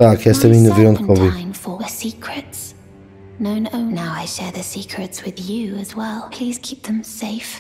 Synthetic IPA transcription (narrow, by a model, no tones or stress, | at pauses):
akʰɛstəmĩnəviɔ̃nʰɔvĩɪ̃nfəɨsikʰɹɨts | nõʊ̃noʊnaʊaɪʃɛɹðɨsikʰɹɨtswɪðjʉəzwɛlˠpʰl̥iz̥kʰip̚ðə̃mseɪf